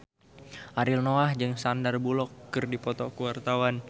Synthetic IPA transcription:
ʔaɾɪlnoahd͡ʒɨŋsandarbulɔkːɨrdipɔt̪ɔkuwart̪awan

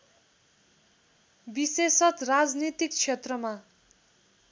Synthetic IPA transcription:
bisesʌt̪rad͡znit̪ik̚t͡sʰet̪rʌma

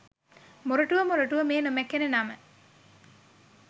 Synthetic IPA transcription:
muɾuʈuʋəmuɾuʈuʋəmeːnumekːenenɐmə

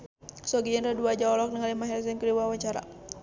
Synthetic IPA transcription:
sɔɡiənraduad͡ʒaɔlɔk̚nəŋalimaɦɛls̬ɛnkəduwawaɲt͡ʃaɾa̰

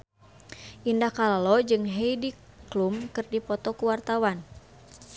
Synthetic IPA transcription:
ʔindahkalalɔd͡ʒɨŋɦeidi | klumkɨrdipɔt̪ɔkuwart̪awan

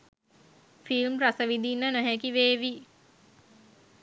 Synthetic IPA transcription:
filmrasəʋid̪inːənəɦɛkiʋeːʋi

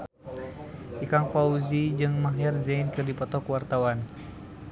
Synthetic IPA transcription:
ʔikaŋfauzid͡ʒɨŋmaɦɛrzainkɨrdipɔt̪ɔkwart̪awan

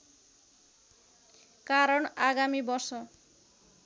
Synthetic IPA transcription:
kaɾʌɳaɡamibʌrsʌ

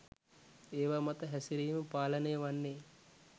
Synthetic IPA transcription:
eːʋaːmat̪əɦæsiɾiːməpaːlənəjəʋanːeː

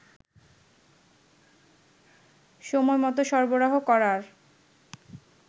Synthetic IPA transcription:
ʃɔmɔemɔt̪oʃɔɾboɾaɦokɔɾaɾ

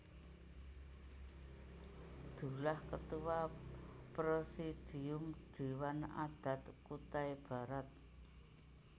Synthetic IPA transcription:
d̪̥ṳlahkət̪uwapɾosid̪̥i̤ʊmd̪̥e̤wana̰d̪̥a̤t̪kut̪aeb̥ä̤ɾat̪̚

